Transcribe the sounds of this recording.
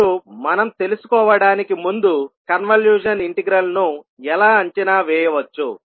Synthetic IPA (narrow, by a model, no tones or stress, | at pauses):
umɐnɐmt̪e̞lusu̥kɔːʋɐɽaːnikimund̪ukɐnʋɐljuːd͡ʒɐniɳʈiɡɾɐlnu | ɛlaːɐɲt͡ʃinaːʋɛːjɐʋɐt͡ʃːṵ